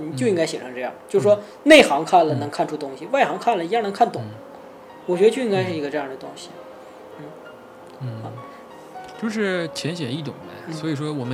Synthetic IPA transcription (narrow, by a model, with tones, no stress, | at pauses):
ni˨˩t͡ɕjo˥˧ʊi˥ŋka˥ɪɕjɛ˨˩ʂʰɤ˧˥ŋʈ͡ʂɤ˥˧jɑ̰˥˩t͡ɕjo˥˩ʊʂ̩˩ʂwɔ˥ | ne˥˩ɪxɑ˧˥ŋkʰa˥˩nlə˩nɤ˧˥ŋkʰa˥˩nʈ͡ʂʰu˥t̪ʊ˥ŋɕi˨wa˥˩ɪxɑ˧˥ŋkʰa˥˩nlə˨˩i˧˥ɑ˥˩nɤ˧˥ŋkʰa˥˩nt̪ʊ˨˦ŋ | wɔ˨˩t͡ɕɥɛ˧˥də˧t͡ɕjo˥˧ʊi˥ŋka˥ɪʂɻ̩˥˩i˧˥ɡə˧ʈ͡ʂɤ˥˧jɑ˥˩ŋd̪ə˩t̪ʊ˥ŋɕi˨ | n̩˥˩˧ | t͡ɕjo˥˧ʊʂ̬ɻ̩˥˩t͡ɕʰjɛ˧˥nɕjɛ˨˩i˥˩t̪ʊ̰˨˩ŋd̪ə̰˦n̩˥swɔ˧˥i˨˩ʂwɔ˥wɔ˨˩mə˦